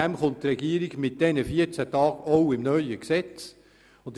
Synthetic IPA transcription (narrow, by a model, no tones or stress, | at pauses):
æmχʊnttɾɛɡ̥iəɾiɡmɪt̚d̥ɛnəfiəɾt͡sætɑːɡ̥oʊɪmnœʏəksɛt͡s | ʊnd̪